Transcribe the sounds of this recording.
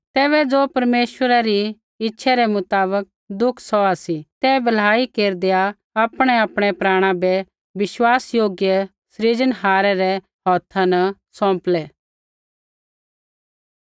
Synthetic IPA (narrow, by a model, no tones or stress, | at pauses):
t̪ɛːβɛd͡zoːpɐɾmeːʃwəɾaɾi | ɪtːʃʰɛɾɛmʊt̪aːbək̚ | d̪ʊkʰsɔasit̪ɛːbɐlaːikeːɾd̪eja | apɽ̃ɛapɽ̃ɛpɾaːɽ̃ãbɛ | ʋɪʃwaːsjoːɡjə | sɾid͡ʒənɦaːɾɛɾɛ | ɦɔːt̪ʰːãnɐsɔ̃ːmplɛː